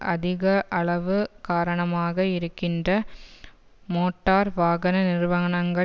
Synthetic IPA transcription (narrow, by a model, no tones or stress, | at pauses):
ʔɐðɪɣɐʔɐɭɐʋɯkaːɾɐɳɐmaːɣɐɪɾɯkːɪndrɐ | moːʈːaːɾʋaːɣɐnɐnɪɾʋɐɣɐɳɐŋɡɐ